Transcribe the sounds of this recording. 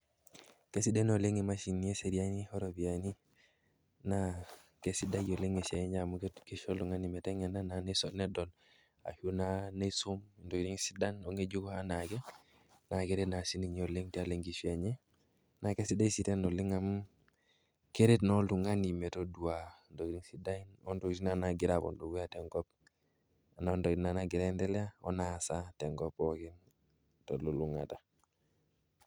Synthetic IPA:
kesi˦de˦noleŋe˨ma˦ʃi˨ni˦e˦se˨ɾia˦ni˦hoɾo˨biani˦ | nakesi˦da˦jo˨le˦ŋe˨se˨e˦ɲa˨muketkeʃo˦ltu˨ŋa˦ni˨me˨te˦ŋe˨na˦na˨ne˦sonedo˨l | a̰˨hu˦nanesu˦mndo˨ɾi˦ŋsi˦da˦noŋe˦d͡ʒu˦ɡoa˦na˨ɡe˦ | na˨ke˦ɾe˦tna˨si˦niɲo˨le˦ŋtia˨leŋɡi˨fie˨ɲe˦ | na˨ke˦si˦da˦isiteno˨li˦ŋam | ke˦ɾetno˦ltuŋani˨me˨todu˨wando˨ɡidi˦ŋsi˦da˦ino˦ndoiti˦nanaɡiɾabo̰˨ndu˨wu˦jateŋɡɔp̚ | a˨na˨ndo˨ktnanaɡi˨ɾande˦le˦a˦o̰nasate˨ŋɡopokin | tolu˨luŋa̰ta˨

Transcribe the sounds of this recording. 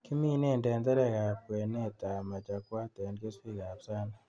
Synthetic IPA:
ki˦mi˦ne˦˨ndɛ˨ndɛ˦ɾɛ˦˨ka˨p̚we˨ne˦ta˨ma˨t͡ʃa˨kwa˦tɛ˨nke˦swi˦ɣa˨psa˦na˨

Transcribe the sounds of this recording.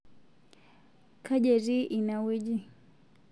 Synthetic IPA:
kʰa˦ʄɛ˨ɾi˦ʔi˨na˨wi˦d͡ʒi˦

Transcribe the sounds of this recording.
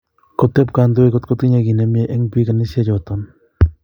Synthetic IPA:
ko˨te˦p̚ka˨ndo˦e˦ko˦tko˦tki˦ɲe˧ki˨ne˨˦mje˦ʔe˦ŋpi˦ka˨ni˦se˦t͡ʃɔ˨tɔ˦n

